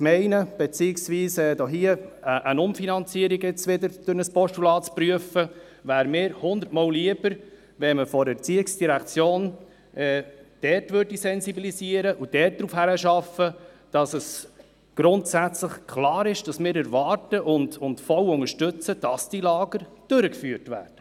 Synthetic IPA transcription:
mɛɪnəb̥et͡siɪksʋiːsɛːdɔɦiəəʔənʊmfinɑnt͡siːəɾiɡɪt͡sʋɪdəɾd̥ʊɾnəspɔʃtulɑːtt͡spɾyəfə | ʋæːɾmɪːɾhʊnd̪ətmɔːlliəb̥əɾ | ʋɛməfɔɾət͡siɪksd̥iɾækt͡sjoːn | ʔɛːd̥ɛːtʋøɾdisɛnsibilisiəɾəʔud̥ɛt̚d̥ɾuːfhæɾəʃɑfə | d̥ɑsəs | ɡ̥ɾʊntsæt͡sləχkʰlɑːɾɪʃd̥ɑsmɪːɾæɾvɑːɾtəʔʊndʊntfɔlʊŋəʃtɵt͡səd̥ɑsd̥ilɑːɡ̥əɾd̥øɾəkfyːəɾtʋæ̰ːɾd̥ə

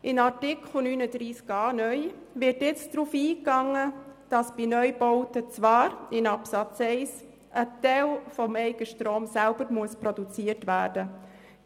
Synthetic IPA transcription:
ʔɪnɑɾtɪkʰχl̩nyːnədɾiːskɑːnœʏ | ʋɪtjɛt͡sd̥ɾuːfiːkɑŋːəd̥ɑsb̥inœʏboʊtət͡sʋɑːɾɪnɑpsɑt͡sɛɪs | ʔətɛɪlfɔmɛɪɡəʃtɾoːmsælbəɾmuəspɾodut͡siətʋæːd̥ə

